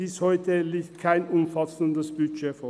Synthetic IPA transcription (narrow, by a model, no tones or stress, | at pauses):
ɪshɔʏtəliːktt̚kʰaɪnʔʊmfɑsəndəsb̥yʃeːfɔ